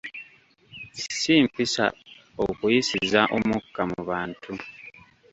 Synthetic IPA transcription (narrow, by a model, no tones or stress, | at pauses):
siːmpisa̰ | okujisizaʔo̞mukːamuβaːntʰu